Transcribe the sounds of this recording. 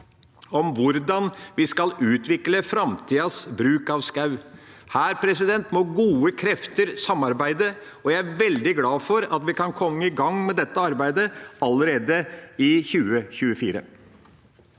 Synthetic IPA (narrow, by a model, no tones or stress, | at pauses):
ɔmʋʊɾd̪ɑnʋɪskɑlʉːt̪ʋɪkləfɾɑmt̪ʰiːɑsbɾʉːkɑʋskɑʉ | hæːɾpʰɾɛsɪd̪ɛnt̪mɔɡuːəkʰɾɛft̪əɾsɑmːɑɾbæɪd̪ə | ɔjæɪæɾʋɛld̪ɪɡlɑːfɔɾɑt̪ʋɪkɑnkʰɔmːəɪɡɑŋːmɛd̪ɛt̪ːəɑɾbæɪd̪əɑləɾeːd̪əɪçʉːəçʉːəfiːɾə̰